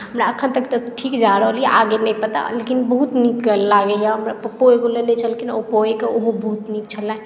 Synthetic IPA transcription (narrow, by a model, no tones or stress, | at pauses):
ɦəmɾaəkʰːənt̪əkt̪əʈʰikd͡ʒaɾəɦəleʔaɡenəjpət̪a̰lekinbəɦut̪niklaɡejaɦəmɾapəpoekolenet͡ʃʰəlekinopoekeoɦobəɦut̪nik̚t͡ʃʰəlːaɦẽ